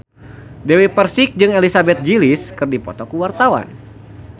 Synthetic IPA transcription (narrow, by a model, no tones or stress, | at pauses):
dewipərsɪk̚d͡ʒɨŋelisabɛt̪̚d͡ʒiliskɨrdipɔ̰t̪ɔkuwart̪awa̰n